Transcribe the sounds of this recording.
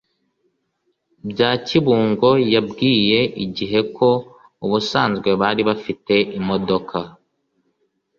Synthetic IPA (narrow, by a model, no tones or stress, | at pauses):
bɟaːciβuːŋɡo̞jabɡiːje̞ʔiɟiɦe̞kʰo̞ | uβusaːnzɡwe̞βaːɾiβafite̞ʔimo̞do̞kʰa